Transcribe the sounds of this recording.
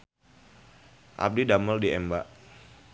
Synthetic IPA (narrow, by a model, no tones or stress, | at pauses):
ʔa̰p̚didaməldiʔɛmbaʔ